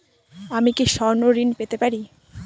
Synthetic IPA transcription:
amikiʃɔɾnoɾinpet̪epaɾi

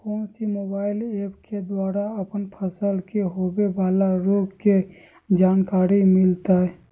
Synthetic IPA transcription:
kɔ̃ːnsimoːbaːɪleːpked̪waːɾaəpənpʰəsəlkeɦoːbebaːlaɾoːɡke | d͡ʒaːnkaːɾimɪlt̪aɦɛ

